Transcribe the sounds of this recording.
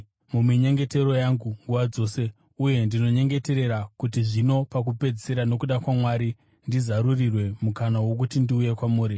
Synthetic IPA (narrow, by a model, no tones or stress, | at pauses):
mumiɲe̞ŋɡe̞te̞ɾo̞jaŋɡuŋɡuʋad͡zo̞ːse̞ | uje̞ndino̞ɲe̞ŋɡe̞te̞ɾe̞ɾakutiʐino̞pak̬upe̞d͡zise̞ɾano̞kuɗakwamwaːɾi | ndizaɾurirwe̞mukanawo̞k̬utindiuje̞kwamuːɾi